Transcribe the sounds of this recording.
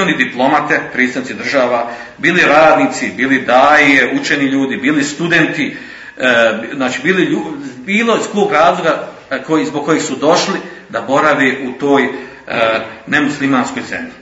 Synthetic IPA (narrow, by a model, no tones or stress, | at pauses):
onid̪iplˠo̞mat̪epɾet̪st̪anit̪sid̪r̩ʒaːʋa | biːliɾaːd̪niːt̪sibiːlid̪aːieut͡ʃeniʎuːd̪ibiːlist̪ud̪ent̪i | znaːt͡ʃiːbiːliʎubiːlo̞iskoːɡɾaːzlˠo̞ɡa | kozboɡ̚ko̞jeɡsud̪o̞ʃli | d̪abo̞ɾaʋeʔut̪oːj | nemuslimaːnskojzḛni